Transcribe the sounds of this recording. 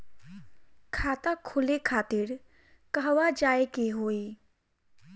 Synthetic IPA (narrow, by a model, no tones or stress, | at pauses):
kʰaːt̪akʰʊlekʰaːt̪ɪɾ | kəɦʋad͡ʒaːekeɦoːi